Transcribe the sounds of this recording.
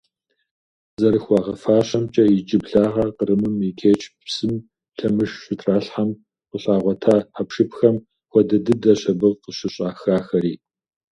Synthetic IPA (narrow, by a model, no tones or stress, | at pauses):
zɐɾɨxʷɑːʁɐfaːɕɐmt͡ʃʼɐjɪt͡ʃʼɪbɬaːʁɐqəɾɨmɨmikʲʰeːt͡ʃʰʼpsɨm | ɬɐmɨʂɕɪtʰraːɬħam | qəɕʼaːʁʷɔtʰaːħapʂɨpxɐm | xʷɔdɐdɨdɐɕɐbɨʁqəɕɪɕʼaːxaːxɐɾiː